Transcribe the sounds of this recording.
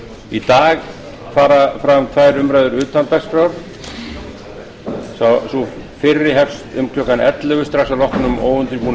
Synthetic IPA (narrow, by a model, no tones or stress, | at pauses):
it̪aːɣ | faːɾafɾamt̪ʰvajɾʏmɾajðʏɾʏːt̪ant̪aspɾawɾ̥ | sasufɪrːɪɦɛfst̪ʏmkʰlœkanɛt̪lʏɣʏst̪ɾasalɔhknʏmo̰ːwʏnt̪ɪpun